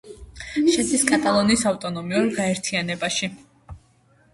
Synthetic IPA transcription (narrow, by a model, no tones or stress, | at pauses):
ʃɛsiskʼat̪ʼalˠɔnisavt̪ʼɔnɔmiuɾɡaɛɾt̪ʰianɛbaʃi